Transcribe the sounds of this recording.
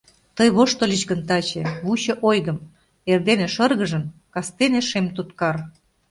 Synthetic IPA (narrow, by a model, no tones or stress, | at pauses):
t̪ɤjβoʃt̪ŏlʲit͡ɕɣənt̪ɑt͡ɕĕβut͡ɕɤ̆ʔojɣəm | erd̪eneʃɤ̆rɣə̆ʒə̆nkɑst̪eneʃemt̪ut̪kɑr